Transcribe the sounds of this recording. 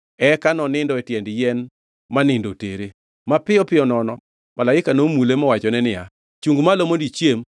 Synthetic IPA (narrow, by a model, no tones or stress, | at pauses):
ɛkanɔnɪndɔɛtjɛndjɛn | manɪndoteɾe | mapɪɔpɪɔnɔnɔ | malaɪkanomulemɔwat͡ʃɔnɛnɪja | t͡ʃuŋɡmalomondit͡ʃjem